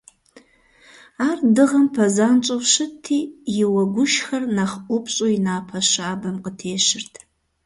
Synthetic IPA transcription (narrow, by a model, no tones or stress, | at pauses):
aːrdɨʁɐmpʰɐzaːnt͡ʃʼowʃɨtʰːiːjɪwɐɡʷʊʃxɐrnaːχʔʷɔpɕʼojɪnaːpʰɐɕaːbɐmqətʰeːʃɪrtʰ